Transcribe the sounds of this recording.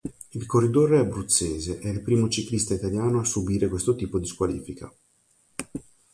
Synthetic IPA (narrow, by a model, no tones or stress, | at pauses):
ilkorːid̪oreɛbɾut̪seːzeʔɛilpɾiːmot͡ʃiklist̪ait̪aljaːnoasːubiːɾekwest̪ot̪iːpod̪iskwalḭːfika